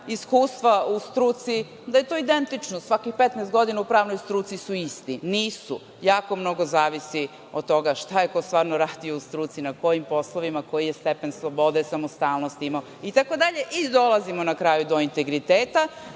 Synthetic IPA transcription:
iskuːst̪ʋaust̪ɾuːt̪si | d̪aje̞t̪o̞id̪ent̪it͡ʃnosʋakixpet̪nɛst̪ɡo̞d̪inaupɾaːʋnojst̪ɾuːt̪sisuist̪iniːsu | jaːko̞mno̞ɡo̞zaːʋisi | ot̪̚t̪ːo̞ɡaʃt̪ajekost̪ʋaːɾnoɾaːd̪ijo̞ust̪ɾuːt̪sinako̞jimpo̞slˠoʋimako̞jijest̪epenslˠobo̞d̪esamost̪aːlˠno̞st̪imao | it̪ako̞d̪aʎe̞ʔid̪o̞lˠazimonakɾaːjud̪o̞int̪eɡɾit̪eːt̪a

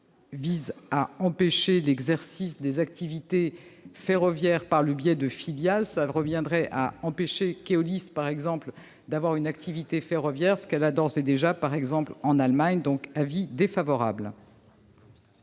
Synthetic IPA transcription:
vizaɑ̃peʃelɛɡzɛʁsisd̪ezak̚t̪ivit̪efeʁɔvjɛʁpaʁləbjɛd̪əfiljalsaʁəvjɛ̃d̪ʁɛʔa̰ɑ̃peʃekeɔlispaʁɛɡzɑ̃pl | d̪avwaʁynak̚t̪ʰivit̪efeʁɔvjɛʁsə̥kɛlad̪ɔʁsɛd̪eʒapaʁɛɡzɑ̃plɑ̃nalmaɲd̪ɔ̃kavid̪efavɔʁa̰bl

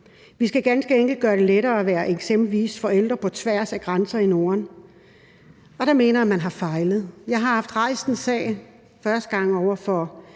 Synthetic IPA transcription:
ʋisɡ̥æɡ̥ænsɡ̥əeŋɡ̥l̩ɡ̥ɶːɐɾe̝leɾɐːæʋæːɐʔeɡ̥semb̥l̩ʋḭːsfɒ̽el̰d̥ʁɐpʰɒ̽t͡sʰʋæɐ̰sæɡ̥ʁɑnsɐino̝ːɐn | ɒ̽ɾ̥ɑ̈me̝̰ːnɐæmænɦɑ̈fɑ̈ɪləð̞̩ˠjɑ̈ɪɦɑ̈hɑ̈fd̥ʁɑ̈ɪ̰sn̩sɛ̰ː | fɶɐsd̥əɡ̥ɑ̈ŋ̰ɒʊɐfɒ̽

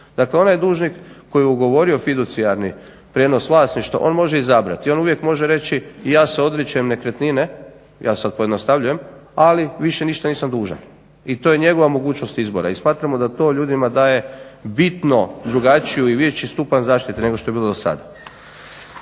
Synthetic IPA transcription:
d̪akleo̞najd̪uːʒnikːo̞jjuɡo̞ʋo̞ɾio̞fid̪ut̪siaɾni | pɾeno̞sʋlˠaːsniʃt̪ʋa̰ʔo̞ːnmo̞ʒeizabɾa̰t̪io̞nuʋje̞kmo̞ʒeɾe̞t͡ɕijaːseo̞d̪ɾet͡ɕaemne̞kɾet̪nine̞ | jʔa̰ːsad̪̚pojed̪nost̪aʋʎuje̞maliʋiʃe̞niːʃt̪aniːsamd̪uːʒa̰n | it̪oje̞ɲe̞ɡo̞ʋamo̞ɡuːt͡ʃno̞st̪izbo̞̰ɾa̰ismaːt̪ɾamo̞d̪at̪o̞ʎuːd̪imad̪aːje̞bit̪no̞d̪ɾuɡat͡ʃijuiʋet͡ɕist̪upanzaːʃt̪it̪ine̞ɡoʃt̪o̞jeilod̪osa̰d̪a

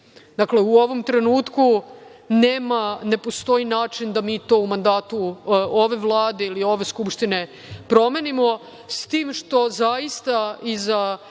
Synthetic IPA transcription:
d̪akle̞uo̞ʋo̞mt̪ɾe̞nuːt̪kuneːmane̞po̞st̪o̞inaːt͡ʃind̪amiːt̪o̞ːumand̪aːt̪uoʋe̞ʋlˠaːd̪e̞ilio̞ʋe̞skupʃt̪ine̞ | pɾo̞me̞nimo̞ | st̪iːmʃt̪o̞zaist̪aiza

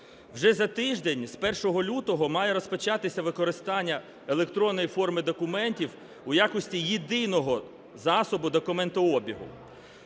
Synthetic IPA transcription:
wʒɛzɐt̪ɪʒd̪enʲspɛrʃɔɦɔlʲut̪ɔɦɔmɑjɛɾɔspɔt͡ʃɑt̪ɪsʲɐʋɪkɔɾɪst̪ɑnʲːɐ | elˠekt̪ɾɔnːɔjifɔrmɪd̪ɔkʊmɛnʲtʲiw | ujakɔsʲtʲijid̪ɪnɔɦɔ | zɑsɔbʊd̪ɔkʊmɛnt̪ɐɔbʲiɦʊ̰

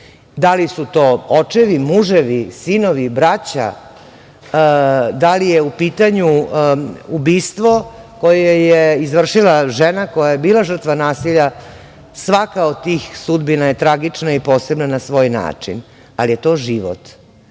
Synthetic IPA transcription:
d̪alisut̪oːot͡ʂeʋimuʐeʋisinoʋibɾat͡ɕa̰ | d̪alijeupiːt̪aɲu | ubiːst̪ʋo̞ | ko̞jejejeizʋr̩ʂilaʒenako̞jajebiːlˠaʒər̩t̪ʋanaːsiʎa | sʋakaod̪̚t̪ːiːxsud̪binaje̞t̪ɾaɡit͡ʂnaipo̞ːse̞bnanasʋo̞ːjna̰ːt͡ʂḭn | alije̞t̪o̞ːʒiʋo̰t̪

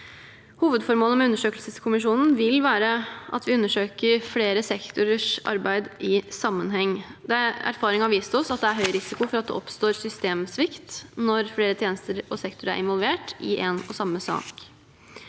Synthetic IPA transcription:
huːʋəd̪fɔɾmoːləmɛʉnːəʂøːkəlsəskʰʊmɪʂuːnn̩ʋɪlʋæːɾəʔɑ̰t̪ʋɪʉnːəʂøːkəɾfleːɾəsɛkt̪ʊɾəʂʔɑ̰ɾbæɪd̪ʔɪsɑmːənɦɛŋːd̪ɛæ̰ɾfɑːɾɪŋəhɑɾʋiːst̪ɔsɑt̪̚d̪ɛæɾɦœʏɾɪsɪkʊfɔɾɑt̪̚d̪ɛ̰ʔɔpst̪oːɾsʏst̪eːmsʋɪkt̪nɔɾfleːɾət̪ʰjeːnəst̪əɾɔsɛkt̪ʊɾəæ̰ɾɪnʋɔlʋeːʈɪʔɛnɔsɑmːəsɑ̰ːk

